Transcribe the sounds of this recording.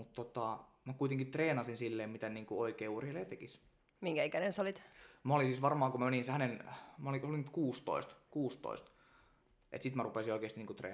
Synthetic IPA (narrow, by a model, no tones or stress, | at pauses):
mut̪t̪ot̪ɑˑ | mækuit̪eŋkit̪reːnɑsinsilːeːmmit̪æniːŋkuoikeːurelːeːt̪ekis | miŋkæikænensolit̪mæolinsiːsʋɑrmɑːkumæmeninshænenmoliolinkuːst̪o̰ist̪kuːst̪o̰ist̪ | ʔḛt̪sit̪mærupesioikeːˑst̪iniːŋkut̪rḛː